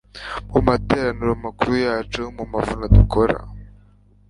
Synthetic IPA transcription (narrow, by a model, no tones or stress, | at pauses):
mumatɛɾanuɾɔmakɾujatəmumafunad̪ikɔɾa̰